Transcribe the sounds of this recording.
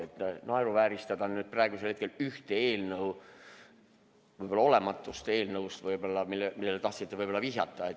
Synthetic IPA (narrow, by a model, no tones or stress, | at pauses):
et̪nɑeɾuvæːɾist̪ɑd̪̥ɑnyːd̪̥̚prɑeɡ̥uselhet̪ke̞lyht̪eeːlnɤw | vɤjbo̞lːɑole̞mɑt̪ːˑust̪e̞ːlnɤust̪vɤjbo̞lːɑmilːemilːelet̪ɑht̪sit̪ːevɤjb̥o̞lːɑviɦjɑt̪ːˑɑet̪